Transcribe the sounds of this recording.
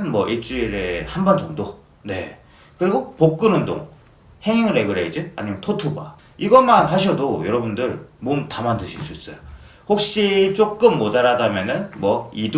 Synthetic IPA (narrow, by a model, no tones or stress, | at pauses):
nmwʌʔiɭt͡ɕ͈uiɾehanband͡ʑʌŋdo | ne̞̰ | kɯɾiɡopok̚k͈ɯnɯndo̰ŋ | he̞ŋuɾeɡɯɾeid͡ʑɯna̰ɲimjʌntʰotʰuba̰ | iɡʌmanɦaɕ̬ʰʌdojʌɾʌbundɯɭmontamandɯɕʰiɭs͈uis͈ʌjo | hok̚ɕ͈it͡ɕ͈ok͈ɯmːʌd͡ʑaɾadamjʌnɯnmwʌid